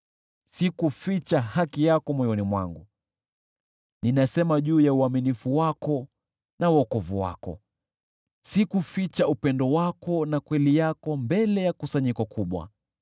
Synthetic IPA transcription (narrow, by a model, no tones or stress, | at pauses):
sikufit͡ʃahakijakɔmwɔjɔnimwa̰ŋɡu | ninasɛmaʄuːjauaminifuwakɔ | nawɔkɔvuwa̰kɔ̰ | sikufit͡ʃaupɛndɔwakɔnakwɛlijakɔmbɛlɛjakusaɲikɔkʰuɓwa̰